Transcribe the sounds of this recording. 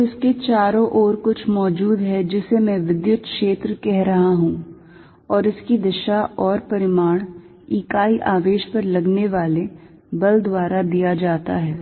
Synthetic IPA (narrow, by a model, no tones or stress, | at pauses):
ɪsket͡ʃaːɾõʔɔːɾkʊt͡ʃʰmɔːd͡ʒuːd̪ɦɛd͡ʒɪsemɛ̃ʋɪd̪jʊt̪kʃeːt̪ɾəkɛɦɾɐɦaɦũ | ɔːɾɪskid̪ɪʃaɔːɾpɐɾɪmaːɽ̃ | iːkaːiʔaːʋeːʃpɐɾlɐɡneʋaːle | bɐld̪waːɾad̪ijad͡ʒaːt̪aɦɛː